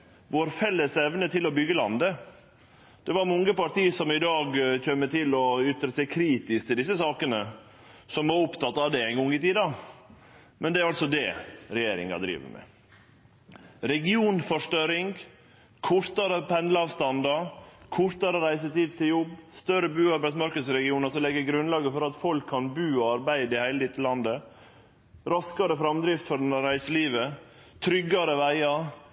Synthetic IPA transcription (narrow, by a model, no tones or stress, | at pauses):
ʋoːɾfɛlːəsɛʋnət̪ʰɪlɔbʏɡːəlɑnd̪ə | d̪̥ɛʋɑɾmɔŋːəpɑɾʈ̪iːsɔmɪd̪ɑːɡçøːmːət̪ɪlɔʏt̪ːɾəsɛkʰɾiːt̪ɪsk̚t̪ʰɪld̪ɪs̬ːəsɑːkənə | sɔmʋɑɾʊpt̪ɑt̪ːɑʋd̪ɛæɪnɡɔŋɪt̪iːd̪ɑ | mɛnd̪ɛæɾɑlsɔd̪ɛɾɛjeːɾɪ̰ŋɑ̰d̪ɾḭːʋə̰ɾmɛ̰ | ɾɛɡɪuːnfɔʂʈœɾɪŋ | kʰʊɾt̪ɑɾəpʰɛnd̪ləɑːʋst̪ɑnd̪ɑkʰʊɾt̪ɑɾəɾæɪsət̪iːd̪̚t̪ʰɪljɔbːst̪œɾəbʉːɑɾbæɪd̪smɑɾkəd̪sɾɛɡɪuːnɑsɔmlɛɡəɾɡɾʉnlɑːɡəfɔɾɑt̪fɔlkʰːɑnbʉːɑɾbæɪd̪ɪhæɪlət̪ɪt̪ʰːəlɑnd̪ə | ɾɑskɑɾəfɾɑmd̪ɾɪft̪fɔɖɛnəɾæɪsəliːʋə | t̪ʰɾʏɡːɑɾəʋæɪɑ